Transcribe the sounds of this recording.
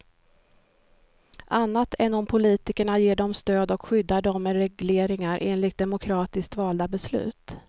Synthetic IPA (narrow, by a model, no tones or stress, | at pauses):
ʔanːat̪ʰɛnːɔmpʰʊliːt̪ɪkəɳajeːɖɔmst̪øːd̪ɔkɧʏd̪ːaɖɔmːɛɾɛɡleːɾɪŋaɾʔeːnlɪt̪̚d̪ɛmʊkʰɾɑːt̪ɪsk̚t̪vɑːld̪abɛslʉ̟̰ːt̪